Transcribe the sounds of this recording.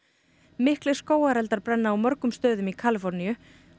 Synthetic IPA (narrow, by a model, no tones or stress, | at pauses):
mɪhklɪ̥skoːwaɾɛlt̪aɾpɾɛnːaːwmœɾkʏmst̪œːðʏmikʰaːlɪfɔɾnijʏ